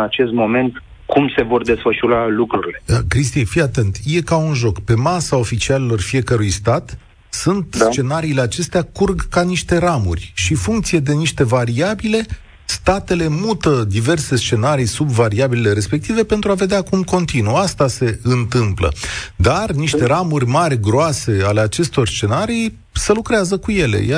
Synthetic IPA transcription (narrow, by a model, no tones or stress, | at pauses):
at͡ʃe̞st̪mo̞me̞nt̪ | kʰumse̞vo̞rd̪e̞sfəʃuɾalukɾuɾile̞əkɾist̪ifijat̪e̞nt̪je̞kaunʒo̞kpe̞masao̞fit͡ʃiale̞lo̞rfije̞kəɾujst̪at̪ | sunt̪st͡ʃe̞naɾiːle̞at͡ʃe̞st̪eakurɡkaniʃt̪e̞ɾamṵrʲʃifuŋkt̪sije̞d̪e̞niʃt̪e̞vaɾiabile̞ | st̪at̪e̞le̞mut̪əd̪ive̞rse̞st͡ʃe̞naɾijsubvaɾiabilile̞ɾe̞spe̞k̚t̪ive̞pe̞nt̪ɾuave̞d̪eakumko̞nt̪inuast̪ase̞ɨnt̪ɨmplə̰d̪arniʃt̪e̞ɾamurʲmarʲɡɾoase̞ale̞at͡ʃe̞st̪o̞rst͡ʃe̞naɾij | səlukɾeazəkuje̞lḛja